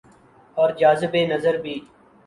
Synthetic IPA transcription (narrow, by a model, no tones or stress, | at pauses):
ɔːɾd͡ʒaːzɪbeːnəzəɾbʱiː